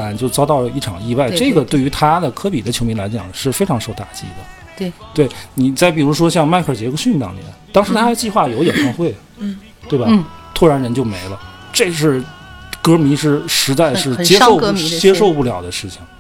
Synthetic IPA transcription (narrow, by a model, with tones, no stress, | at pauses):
a˧˥nt͡ɕjo˥˩ʊt͡sɑ˥t̪ɑ˥˩ʊi˥˩ʈ͡ʂʰɑ˨˩ŋi˥˧wa˥˩ɪʈ͡ʂɤ˥˩ɡə˩t̪we˥˩ɪy˧˥t̪ʰa˥d̪ə˨kʰɤ˥pi˨˩d̪ə˦t͡ɕʰjo˧˥ʊmi˧˥ŋla˧˥t͡ɕjɑ̰˨˩ŋʂɻ̩˥˩fe˥ɪʈ͡ʂʰɑ˧˥ŋʂo˥˧ʊt̪a˨˩t͡ɕḭ˥d̪ə̰˩ | t̪we˥˩ɪni˨˩t͡sa˥˩ɪpi˨˩ɻu˧˥ʂ̬wɔ˥ɕjɑ˥˧ŋma˥˧ɪkʰə˞˨˩t͡ɕjɛ˧˥ku˥ɕy˥˧nt̪ɑ̰˥˩ŋl̰ɛ̰˨˩˧nt̪ɑ˥ŋʂɻ̩˧˥t̪ʰa˥d̪ə˧˩t͡ɕi˥˧xwa˥˩jo˧˥ʊjɔ˨˩n˥˧xwe˥˩ɪ | t̪we˥˩ɪbɐ˨t̪ʰu˥ɻa˧˥nɻə˧˥nt͡ɕjo˥˩ʊme˧˥ɪlə˧ | ʈ͡ʂɤ˥˧ʂ̬ɻ̩˥˩kɤ˥mi˧˥ʂɻ̩˥˩ʂɻ̩˧˥t͡sa˥˧ɪʂɻ̩˥˩t͡ɕjɛ˥ʂʊ˥˧t͡ɕjɛ˥ʂo˥˧ʊpu˥˩ljɑ˨˩ʊd̪ə˦ʂɻ̩˥˩t͡ɕʰi˨˩ŋ